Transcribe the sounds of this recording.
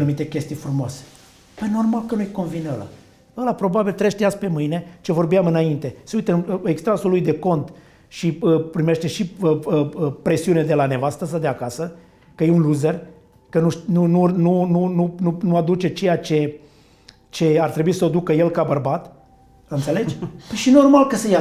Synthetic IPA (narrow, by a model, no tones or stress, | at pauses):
numit̪e̞kʲe̞st̪ijfɾumoase̥ | pəjno̞rmalkənujko̞nvinəla̰ | əlapɾo̞babilt̪ɾeʃt̪easpe̞mɨjne̞t͡ʃe̞vo̞rbiamɨnaint̪e̞seujt̪əme̞kst̪ɾasulːujd̪e̞ko̞nt̪ | ʃiəpɾime̞ʃt̪e̞ʃiəəpɾe̞siuned̪e̞lane̞vast̪əs̬əd̪eakasə | kəjeunluzer | kənuʃnununununununuad̪ut͡ʃe̞t͡ʃe̞jat͡ʃe̞ | t͡ʃe̞art̪ɾe̞buisəod̪ukəje̞lkabərbat̪ | ɨnt̪se̞le̞d͡ʒʲpəjʃino̞rmalkəsəja